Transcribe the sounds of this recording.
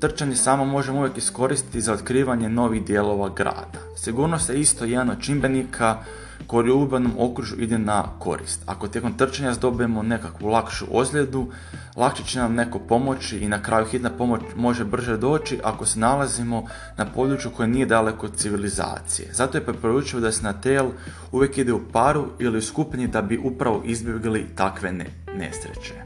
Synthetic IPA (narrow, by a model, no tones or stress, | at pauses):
t̪r̩t͡ʃaɲe̞saːmo̞mo̞ʒeuʋje̞kisko̞ɾist̪i̥t̪izao̞t̪kɾiːʋaɲeno̞ʋixd̪je̞ːlˠo̞ʋaɡɾa̰ːd̪̥asiɡuːɾnost̪jeist̪o̞jed̪anod̪̚t͡ʃimbenikʰa | ko̞jiuubano̞mo̞kɾuʒuʔid̪enako̞̰ɾḭst̪a̰ko̞t̪je̞ko̞mt̪r̩t͡ʃaɲazd̪o̞bijemo̞ne̞kakʋulˠakʃṵʔozlʲe̞d̪u | lˠakʃet͡ɕenamne̞ko̞po̞mo̞t͡ʃiʔːnakɾaːjuxit̪napo̞mo̞t͡ɕmo̞ʒe̞br̩ʒe̞d̪o̞ːt͡ʃiʔako̞se̞nalˠazimo̞ | napo̞d̪ɾut͡ʃjuko̞jenije̞d̪ale̞ko̞t̪siʋiliza̰ːt̪sije̞̰zat̪oje̞pɾepo̞ɾut͡ʃiʋod̪asenat̪eːl | uʋje̞kid̪eupaɾuiliuskupɲid̪abiʔupɾaʋo̞̰ʔizbjeɡlit̪akʋe̞ | ne̞̰sɾe̞̰t͡ɕe̞